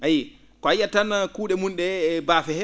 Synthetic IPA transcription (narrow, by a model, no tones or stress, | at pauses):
aji | kɔajatanːakuːɗɛmunɗɛbafɛhɛ